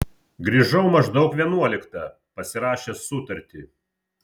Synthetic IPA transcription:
ɡɾʲiːʒɐʊmɐʒd̪ɐʊkʋʲiɛnuɔlʲɪkt̪ɐ | pɐsʲɪɾɑːʃʲeːsʊt̪ɐɾʲt̪ʲiː

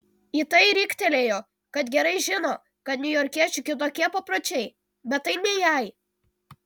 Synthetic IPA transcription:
iːˑt̪ɐɪɾʲɪkʲt̪ʲɛlʲeːjoː | kɐt̪ɡʲɛɾɐɪʒʲɪnoː | kɐt̪nʲʊjɔɾʲkʲiɛt͡ʃʲʊkʲɪt̪oːkʲiɛpɐpɾoːt͡ʃʲɛɪ | bʲɛt̪ːɐɪnʲɛjæˑɪ

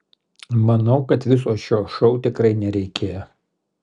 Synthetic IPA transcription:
mɐnɒʊkɐt̪ʋʲɪs̬oːʃʲoːʃɔʊt̪ʲɪkɾɐɪnʲɛɾʲɛɪkʲʰeːjo

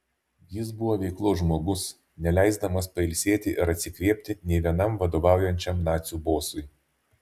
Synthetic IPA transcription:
jɪsbʊʋoːʋʲɛɪklˠoːʒmoːɡʊs | nʲɛlʲæˑɪzd̪ɐmɐspɐɪlʲsʲeːt̪ʲɪʔɪɾɐt̪ʲsʲɪkʋʲiɛpʲt̪ʲɪnʲɛɪʋʲiɛnɐmʋɐd̪oːʋɑˑʊjɛnʲt͡ʃʲɛmnɑːt̪sʲuːboːsʊɪ

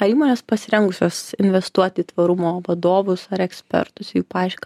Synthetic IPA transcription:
ɐiːmoːnʲeːspɐsʲɪɾʲɛŋɡʊsʲoːsɪnʲʋʲɛst̪uɔt̪ʲɪiːt̪ʋɐɾʊmoːʋɐd̪oːʋʊsɐɾɛksʲpʲɛ̰ɾt̪ʊsjuːpɑːɪʃʲk

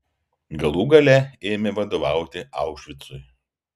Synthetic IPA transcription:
ɡɐlˠuːɡɐlʲɛeːmʲeʋɐd̪oːʋɑˑʊt̪ʲɪɑˑʊkʃʲʋʲɪt̪sʊj

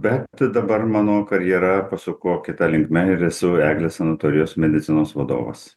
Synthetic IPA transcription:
bʲɛt̪d̪ɐbɐɾmɑːnoːkɐɾʲjɛɾɐpɐsʲʊkoːkʲɪt̪ɐlʲɪŋkmʲɛɪɾɛsʊæːɡlʲeːsɐnɐt̪oːɾʲɪjoːsmʲɛd̪ʲɪt̪sʲɪnoːsʋɐd̪o̰ːʋɐ̰s

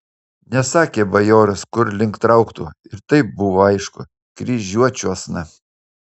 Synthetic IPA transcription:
nʲɛsɑːkʲeːbɐjoːɾɐskʊɾlʲɪŋkt̪ɾɐʊkt̪ṵɪɾt̪ɐɪp̚bʊʋoːɐɪʃkʊ̰ | kɾʲiʒʲuɔt͡ʃʲuɐsnɐ

